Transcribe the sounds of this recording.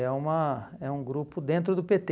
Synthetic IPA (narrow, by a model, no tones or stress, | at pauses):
ɛũmɐɛũɡɾupʊd̪ẽnt̪ɾʊd̪ʊpet̪e